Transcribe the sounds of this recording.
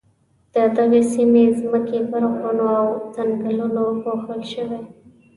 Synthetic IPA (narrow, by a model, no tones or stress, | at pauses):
d̪̥əd̪aɣesimezməkepəɾxonoawzaŋɡəlunoɣoxəlʃəwe